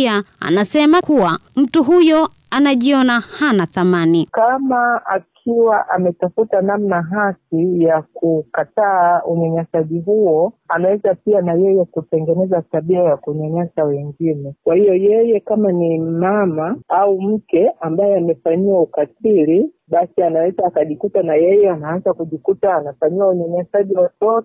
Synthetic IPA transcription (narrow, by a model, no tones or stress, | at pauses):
aa̰nasɛmakuwam̩tuɦujɔ | anaʄiɔnahanaθamanikamaa̰kʰiwaʔamɛtafutanam̩naɦasijakukataːuɲaɲasaʄiɦuɔanawɛzapianajɛjɛkutɛŋɡɛnɛzataɓiajakuɲaɲasawɛŋɡinɛkwahijɔjɛjɛkamanimamaaum̩kɛambajɛamɛfaɲiwaukatili | ɓasianawɛzaːkaʄikutanajɛjɛanaanzakuʄikutaːnafaɲiwauɲaɲasaʄiwatɔtɔ